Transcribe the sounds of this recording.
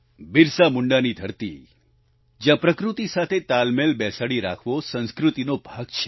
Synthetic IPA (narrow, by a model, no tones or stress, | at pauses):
biɾsamuɳɖanid̪ʱəɾt̪ḭ | d͡ʒjãpɾəkɾut̪isat̪ʰet̪almelbɛsaɽiɾa̰kʰʋosə̃nskɾut̪inobʱaɡt͡ʃʰe̥